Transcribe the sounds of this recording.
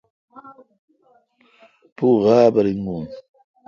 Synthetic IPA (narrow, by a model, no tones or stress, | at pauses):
puɣaːbɐɾiŋɡun